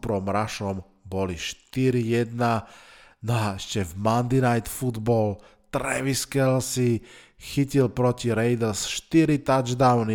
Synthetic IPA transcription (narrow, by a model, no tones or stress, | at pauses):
pɾɔmɾaʃɔm | bɔliʃt̪iɾijɛd̪nanɔaɛʃcɛvmand̪inajt̪fud̪bɔl | t̪ɾɛ̰ʋiskɛlsi | xicilpɾɔciɾɛjd̪ɛɾsʃt̪iɾit̪ad͡ʒd̪aʊni